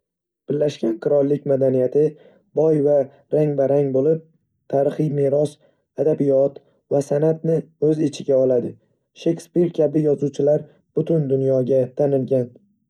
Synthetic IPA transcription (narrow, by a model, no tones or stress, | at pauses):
b̥ɪɾlːaʃɡʲanqʰɨɾɒlˠːɪk̚ʲmad̪anijat̪ʰɪ | bɒjva | ɾaŋbaɾaŋbolɪp̚ | t̪ʰaɾɨχɨjmeɾɒs | ad̪abɪjɒt̪ | vasanat̪nɪɵzɪt͡ʃʰɪɡʲaɒlˠad̪ɪ | ʃe̞kʲspiɾkʲʰabɪjɒzuwt͡ʃʰɪlaɾ | b̥ʊt̪ʰʊnd̪ʊnjɒɡʲat̪ʰanɪlɡʲan